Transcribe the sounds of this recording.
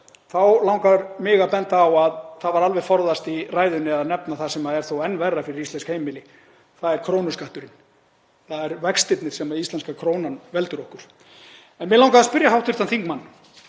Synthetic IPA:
θawlaw̃ŋkaɾmɪːɣapɛnt̪aːwaðθaðvaɾalvɛɣfɔɾðast̪iraːjðʏnːɪaðnɛpnaθasɛmaðɛɾ̥θowɛnːvɛrːafɪɾɪɾist̪lɛnskhejmɪlɪ | θaðɛɾkʰɾoːwnʏskaht̪ʏɾɪn | θaðɛɾvɛkst̪ɪt̪nɪɾ̥sɛmaðist̪lɛnskakʰɾoːwnanvɛlt̪ʏɾɔhkʏɾ̥ | ɛnmɪðlawŋkaðaspʏɾjaɦawht̪ʰʏ̥ɾ̥t̪anθiŋkmanː

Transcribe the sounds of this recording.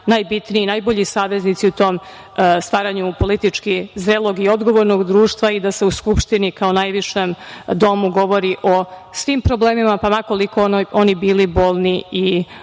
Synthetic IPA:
najbit̪niiːnajbo̞ʎisaːʋe̞znit̪siut̪o̞ːm | st̪ʋaːɾaɲupo̞lit̪it͡ʂkizɾelˠoɡio̞d̪ɡo̞ʋo̞ɾnoɡd̪ɾuːʃt̪ʋaid̪ase̞uskupʃt̪inikaonajʋiʂemd̪o̞muɡo̞ʋo̞ɾiʔo̞sʋimpɾoble̞ːmimapamako̞likoonibiːliboːlˠnii

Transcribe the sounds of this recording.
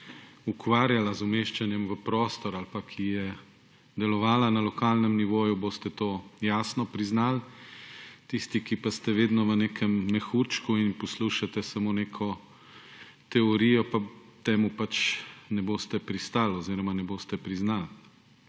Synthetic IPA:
ukʋaːɾjalazɔmeːʃt͡ʃanjɛmʋəpɾoːst̪ɔɾalpakʰijɛ | d̪ɛlɔʋaːlanalɔkaːlnɛmniʋoːjuboːst̪ɛt̪oːjaːsnɔpɾiznaːl | t̪ist̪ikipast̪ɛʋeːd̪nɔʋəneːkʰɛmːɛxuːɾt͡ʃkuinpɔsluːʃat̪ɛsamoːneːkʰɔ | t̪ɛɔɾiːjɔpat̪eːmupat͡ʃnɛboːst̪ɛpɾist̪aːlɔziːɾɔmanɛboːst̪ɛpɾiznaːl

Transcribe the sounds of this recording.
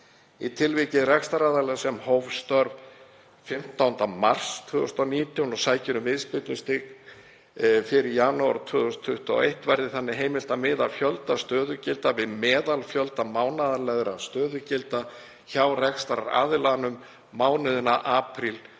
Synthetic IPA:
it̪ʰɪlvicɪðrɛkst̪aɾaːðalɛɣsɛmhowvst̪œɾv | fɪm̥t̪awnt̪amar̥st̪ʰʏːðʏst̪awniːt̪ʰjawnɔsaːjcɪɾʏmvɪðspɪt̪lʏst̪ɪk | fɪɾɪɾjanawaɾt̪ʰvʏːðʏst̪ʰːʏht̪a̰ejht̪vɛɾðɪθanːɪɦeːjmɪl̥t̪amɪːðalfjœlt̪ast̪œːðʏcɪlt̪avɪðmɛːðalfjœlt̪amaːwnaðalɛɣɾast̪œːðʏcɪlt̪a | çawrɛkst̪aɾaɾa̰ːðɪlanʏmː | aːwnɪðʏnaʔaːpʰɾil

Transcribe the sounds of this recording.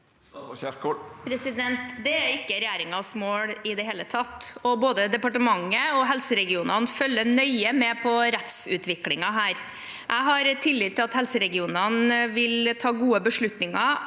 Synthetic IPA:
pʰɾɛsɪd̪ɛnt̪d̪ɛæɾɪkːəɾɛjæːɾɪŋɑsmoːɽɪd̪ɛɦeːlət̪ʰɑt̪ːɔboːd̪əd̪ɛpɑʈəmɑŋːəɔɦɛlsəɾɛɡɪuːnɑnfœlːənœʏəmɛpʰɔɾɛt̪sʉːt̪ʋɪklɪŋɑɦæːɾ | ʔæɪɦɑɾt̪ʰɪlːɪd̪t̪ʰːɪlɑt̪hɛlsəɾɛɡɪuːnɑnʋɪlt̪ʰɑːɡuːəbəʂɭʉt̪nɪŋɑ

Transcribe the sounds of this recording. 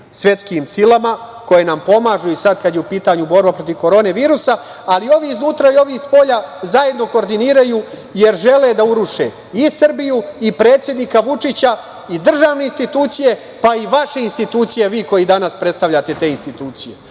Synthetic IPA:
sʋʲje̞t̪skimsilama | ko̞je̞nampo̞maːʒuisad̪kad̪jeupiːt̪aɲubo̞ɾbapɾo̞t̪iʋko̞ɾo̞ːneʋiːɾusa | alio̞ʋiːznuːt̪ɾaio̞ʋiːxspo̞ʎazaje̞d̪no̞ko̞ːɾd̪iniːɾajuː | je̞ɾʒe̞le̞d̪auɾuʃe̞ | isrbijuipɾe̞ːt̪sjed̪nikaʋut͡ʂit͡ɕa | id̪r̩ʒaːʋne̞inst̪it̪uːt̪sije̞ | paiʋaʃe̞inst̪it̪uːt̪sije̞ʋiːko̞jid̪anaspɾe̞t̪st̪aʋʎat̪e̞t̪e̞ːinst̪it̪uːt̪sije̞

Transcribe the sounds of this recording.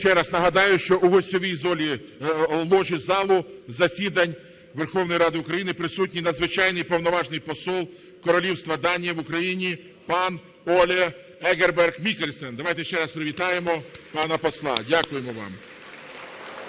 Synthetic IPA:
ʃt͡ʃɛɾɐznɐɦɐd̪ɑjʊʃt͡ʃɔʔuɦɔsʲtʲɔʋʲijzɔlʲi | lˠɔʒʲizɑlˠʊzɐsʲid̪ɐnʲ | ʋerxɔwnɔjiɾɑd̪ɪʊkɾɐjinɪpɾɪsut̬̚ʲnʲinɐd̪zʋɪt͡ʃɑjnɪjpɔwnɔʋɑʒnɪjpɔsɔlˠ | kɔɾɔlʲiwst̪ʋɐd̪ɑnʲijɐʋʊkɾɐjinʲi | pɑn | ɔlʲɛ | ɛɡerbɛrɡmʲikelʲsɛnd̪ɐʋɑjt̪ɛʃt͡ʃɛɾɐspɾɪʋʲit̪ɑjemɔpɑnɐpɔslˠɑ̰dʲakʊjemɔʋɑ̰m

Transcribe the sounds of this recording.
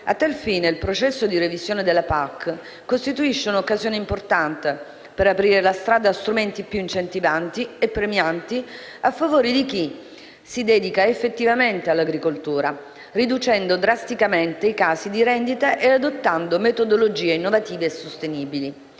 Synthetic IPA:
at̪ːalfiːneilpɾot͡ʃɛsːod̪irevizjoːned̪elːapakː | kost̪it̪uiʃːeunokːazjoːneimport̪ant̪e | peɾapɾiːɾelast̪ɾaːd̪aːst̪ɾument̪ipjuint͡ʃent̪ivant̪iepːɾemjant̪i | afːavoːɾid̪ik̟i | sid̪ɛːd̪ikaefːet̪ːivament̪ealːaɡɾikolt̪uːɾa | rid̪ut͡ʃɛnd̪od̪ɾast̪ikament̪eikaːsid̪iɾɛnd̪it̪aʔead̪ot̪ːand̪omet̪od̪olod͡ʒiːeinːovat̪iːveːsːost̪eniːbili

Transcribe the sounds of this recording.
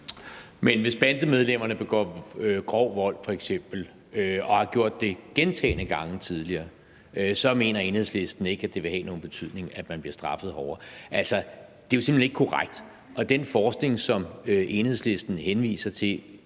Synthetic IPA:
menʋe̝sb̥ænd̥əmeð̞ˠlem̰ɐnəb̥e̝ɡ̥ɒ̰ːøɡ̥ʁɒʊ̰ʋɒ̽l̰fɒ̽eɡ̥sem̰b̥l̩ | øɒ̽hɑ̈ɡ̥jo̝ɐ̰d̥ːe̝ɡ̥ent͡sʰɛ̰ːɪnəɡ̥ɑ̈ŋt͡sʰið̞ˠliɐː | øsɒ̽me̝ːnɐe̝nheð̰ˠsle̝sd̥n̩e̝ɡ̥æd̥e̝ʋe̝hɛ̰ːno̝ːn̩b̥e̝t͡sʰyð̰ˠne̝ŋæd̥mænb̥liɐsd̥ʁɑ̈fð̞̩ˠɦɒʊɐʔælsɐd̥e̝jo̝se̝mlheneɡ̥kʰo̝ʁaɡ̥̚d̥ | ʔɒ̽d̥enfɒːsɡ̥ne̝ŋsɒ̽møʔe̝nhe̝ð̰ˠsle̝sd̥n̩henʋḭːsɐt͡sʰe̝

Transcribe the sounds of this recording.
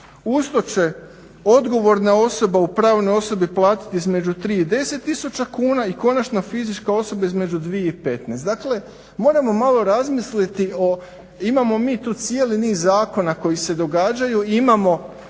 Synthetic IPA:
ust̪o̞t͡ʃe̞ | o̞d̪ɡo̞ʋo̞ɾnao̞so̞baupɾaːʋnojo̞so̞biplˠaːt̪i̥t̪iizme̞d͡ʒut̪ɾiːid̪e̞se̞t̪ːisut͡ʃakuːnaiko̞nat͡ʃnofizit͡ʃkao̞so̞baizme̞d͡ʒud̪ʋije̞ipe̞t̪neːst̪akle̞ | mo̞ːɾamo̞malˠo̞ɾazmislit̪io | imamo̞miːt̪uːt̪sjeliniːzːaːko̞nako̞jise̞d̪o̞ɡaːd͡ʒajuimamo̞

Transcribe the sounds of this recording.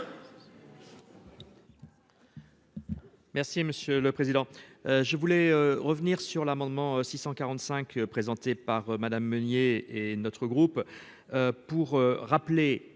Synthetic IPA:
mɛʁsiməsjøləpχezid̪ɑ̃øʒəvulɛøʁəvniʁsyʁlamɑ̃d̪mɑ̃sisɑ̃kaʁɑ̃t̪sɛ̃kʰpχezɑ̃t̪epaʁmad̪amːənjeenɔt̪χəɡʁup | øpuʁøʁaple

